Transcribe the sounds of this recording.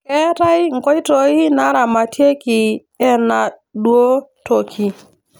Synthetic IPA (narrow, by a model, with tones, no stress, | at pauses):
kɛ˦ta˦jŋ˨kɔ˦i˦tɔ˨i˦na˦ɾa˨ma˨tje˦ki˨ | ɛ˦na˨ | dwo˦to˨kʰi˨